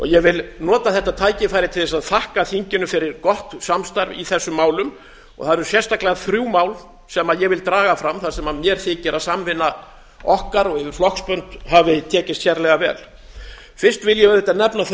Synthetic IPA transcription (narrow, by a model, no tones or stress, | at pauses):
ɔ̰ɣjɛvɪlnɔːt̪aθɛht̪at̪ʰaːjcɪfajɾɪt̪ʰɪlɛsaðθahkaθiɲcɪnʏfɪɾɪɾkɔht̪samst̪aɾvḭθɛsːʏmːaːwlʏm | ɔ̰ɣθaðɾɛɾʏ̥sjɛst̪aklaðθɾjuːmaːwl | sɛmaðjɛɣvɪlt̪ɾaːɣafɾamθasɛmamjɛɾ̥θɪːcɪɾaðsamvɪnːa | ɔhkaɾɔɣɪvɪɾ̥flɔhkspœnt̪ɦavɪt̪ʰɛːcɪst̪çɛɾlɛɣavɛːl | fɪr̥st̪vɪljɛðɛt̪ːanɛpna